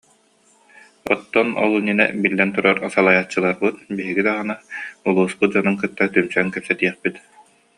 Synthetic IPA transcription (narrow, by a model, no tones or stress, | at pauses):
ɔ̰t̪ːɔnɔ̰lˠuninɛ̰bilːɛnt̪uɾaɾasalˠajat͡ɕːɯlˠaɾbɯt̪biɦiɡid̪aʁɯnaulˠuːspud͡ʑɔnɯŋkɯt̪ːat̪ymsɛŋkɛpsɛt̪iɛχpit̪